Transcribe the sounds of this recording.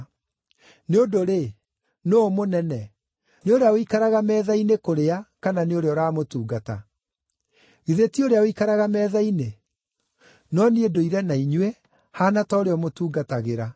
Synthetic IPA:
neodoɾe | noːmonɛnɛ | neoɾeaoikaɾaɣamɛːðainekoɾeakananeoɾeɔɾaːmotuːɡata̰ | ɣiðetioɾeaoikaɾaɣamɛːðaine | nɔneedoiɾɛnaiɲwɛ | hanatɔoɾeɔmotuːɡataɣeɾa

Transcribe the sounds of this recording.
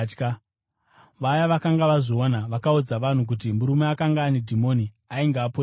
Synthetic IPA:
k | ʋajaʋakaŋɡaʋaʐoonaʋakaud͡zaʋan̤uk̬ut̬imuɾumeakaŋɡaːnedʱimoni | aiŋɡaːpo

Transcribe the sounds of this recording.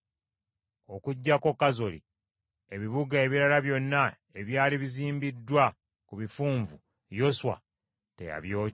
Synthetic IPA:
okuɟːako̞kːazo̞lḭ | e̞βiβuɡae̞βiɾalaβjo̞nːa | e̞βjaːliβiziːmbidːwa | kuβifuːɱvu | jo̞swa̰ | te̞̰ja̰βjoː

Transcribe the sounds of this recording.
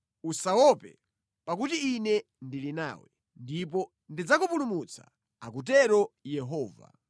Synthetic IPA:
usawɔpɛ̰ | pak̬utiːnɛ | ndilina̰ːwɛ | ndip̬ɔ | ndid͡zakupulumut͡sʰḁ̰ | akut̬ɛɾɔjɛɦɔːva̰

